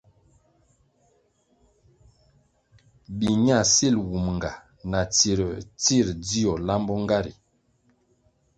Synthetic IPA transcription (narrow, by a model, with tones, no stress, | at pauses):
bi˨ɲa˦˨si˦˨lwu˨mŋ˨ɡa˨ | na˨t͡si˨ɾə˨t͡si˦˨ɾdi˦ɔ˨la˦mbɔ˦ŋɡa˦ɾḭ˨